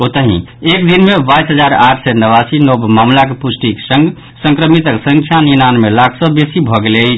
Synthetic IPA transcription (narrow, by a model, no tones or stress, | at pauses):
ot̪əɦḭ̃ek̚d̪inmebajsɦəd͡ʒaɾaʈʰsɛnəβasinobmamlakepusʈiksə̃ŋɡ | sə̃ŋkɾəmit̪əksə̃ŋkʰjaninanmelakʰsəbesibʱɔɡele